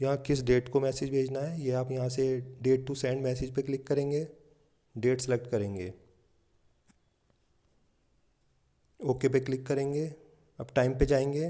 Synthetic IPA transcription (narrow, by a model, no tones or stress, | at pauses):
jɐɦãkɪs̬ɖeːʈkomɛːsɪd͡ʒbʱeːd͡ʒnaɦɛːjeɦaːpjɐɦãseɖeːʈ̚ʈːusɛːə̃ɳɖmɛːsɪd͡ʒpeklɪkːɐɾẽːŋɡeː | ɖeːʈsɪlek̚ʈkɐɾẽːŋɡeː | oːkep̬eklɪkːɐɾẽːŋɡeː | ɐbʈaːɪmped͡ʒaːẽːŋɡeː